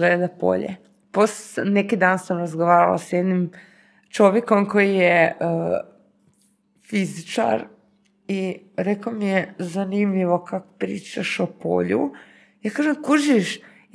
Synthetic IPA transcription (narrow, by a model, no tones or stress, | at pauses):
ed̪apo̰ʎḛ | posnekid̪aːnsamɾazɡoʋaːɾa̰la̰sjed̪nim | t͡ʃo̞ʋjeko̞mko̞jijeə | fizit͡ʃa̰ɾ | i | ɾekomijezanimʎiʋo̞kako̥pɾiːt͡ʃaʃopo̰ʎṵ | jaːkaːʒemkuʒiʃ